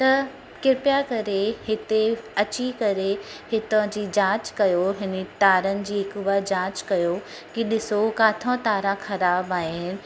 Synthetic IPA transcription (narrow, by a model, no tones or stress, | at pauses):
t̪ɐ | kɪɾpjakɐɾehɪt̪eɐt͡ɕikɐɾehɪt̪ə̃d͡ʑiːd͡ʑãːt͡ɕkɐjoɦɪnet̪aːɾənɪ̆d͡ʑiːɦɪkʊʋad͡ʑãːt͡ɕkɐjo | kiɗɪsokaːt̪ʰãt̪aːɾãxɐɾaːbaːɦɪnɪ̆